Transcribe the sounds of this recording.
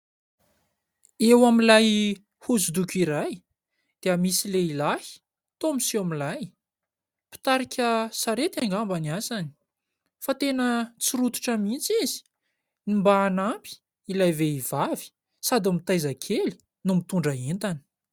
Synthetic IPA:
ewamilaj | huzud̪ukʲiɾaj | d̪̥eəmisileilahi̥ | t̪omisiamilaj | pi̥t̪aɾikʰʲəsaɾet̪aŋɡambaniasani̥ | fat̪enət͡siɾut̪u̥ʈ͡ʂəmint͡sizi̥ | nimbaːnampi̥ | ilajveiv̥avi̥ | sad̪amit̪ajzakʰeli̥ | numit̪uɳɖ͡ʐaɦent̪ani̥

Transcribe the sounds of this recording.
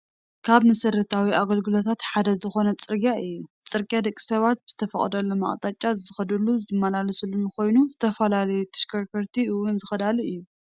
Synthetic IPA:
kʰaβmɐsɨɾɐt̪ʰawiʔaɡɐlɡɨlo̞t̪ʰat̪ħad̪ɐzɨxo̞nɐt͡sʼɨɾɡjaɨjːut͡sʼɨɾɡʼjad̪ɐkʼːi̥sɐβat̪̚bɨz̥ɨ̥t̪ʰɐfɐχʼd̪ɐlːoma̰χʼt̪ʼat͡ʃʼːazɨxɐd̪ɨlːuzɨmːɐlalɐsɨlːunɨko̞jnuzɨt̪ʰɐfɐlalɐjut̪ʰɨ̥ʃkʰɐɾkʰɐɾt̪ʰiɨwʊnzɨxɐd̪aliɨjːu

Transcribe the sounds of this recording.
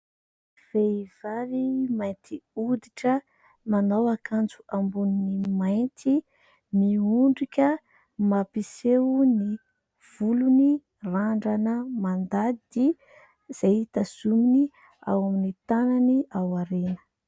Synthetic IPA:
v̥ev̥aɾimajnt̪ʰiud̪iʈ͡ʂə | manawakʰant͡suambunnimajnt̪ʰi | miuɳɖ͡ʐikʲə | mapiseuni | v̥uluni | raɳɖ͡ʐanəmand̪ad̪i | z̥ait̪az̥umini | a̰waminit̪ananiʔawaɾenə̥

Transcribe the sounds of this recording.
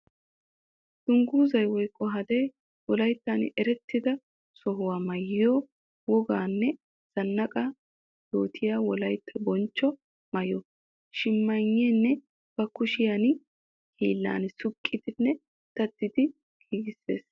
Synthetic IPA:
d̪̥ʊŋɡuːzɐjwɔjkʼːɔɦɐd̪ɛj | wɔlɐjt̪ːɐnɛɾɛt̪ʰːɪd̪ɐ | sɔɦʊwaːmɐjːɪjoː | wɔɡaːnːɛ | z̥ɐnːɐkʼɐ | jo̰ːt̪ʰɪjaːwɔlɐjt̪ʰːɐbɔnt͡ʃːɔ | mɐjɔ | ʃɪmːɐɲːenːɛ | b̥ɐkʊʃɪjan | hʰḭːlːa̰ːnsʊkʼːɪd̪ɪnːɛ | t̪ɐt̪ːɪd̪ɪ | ɡ̥iːɡɪsːe̞̰ːs

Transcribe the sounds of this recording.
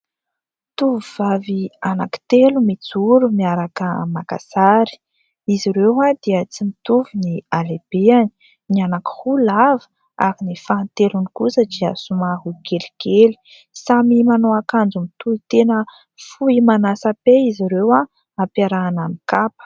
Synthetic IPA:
t̪uvuvaviana̰ki̥t̪elumit͡suɾumiaɾakəmaka̰saɾi̥ | iziɾewad̪̥iət͡simit̪uvinialeb̥eani̥ | nianaki̥hulavə̥ | a̰ɾinifant̪elunikusəd͡ʒiəsumaɦuɡeliɡeli̥ | samimanoakand͡zumit̪uit̪enə | fuimanasapeiziɾewa | mapaɾaːnamikapə̥

